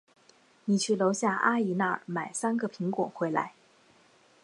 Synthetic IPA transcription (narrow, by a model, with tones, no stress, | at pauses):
ni˨˩t͡ɕʰy˥˩lo˧˥ʊɕja˥˩ʔa˥i˨˩na˥˩ma˨˩ɪsa˥nɡə˨pʰi˧˥ŋkwɔ̰˨˩ŋxwe˧˥ɪla̰˧˥ɪ